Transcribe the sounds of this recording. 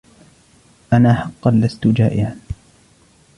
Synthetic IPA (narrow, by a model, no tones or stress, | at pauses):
ʔanaːħɑqːɑnlast̪ʊd͡ʒaːʔɪʕan